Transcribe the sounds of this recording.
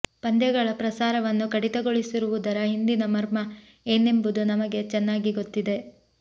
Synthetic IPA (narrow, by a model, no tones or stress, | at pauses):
pɐnd̪jɐɡɐɭɐpɾɐsaːɾɐʋɐnːukɐɽit̪ɐɡo̞ɭisiɾuʋud̪ɐɾɐɦind̪inɐmɐɾmɐ | eːnːe̞mbud̪unɐmɐɡe̞t͡ʃɛnːaːɡiɡo̞t̪ːid̪e̞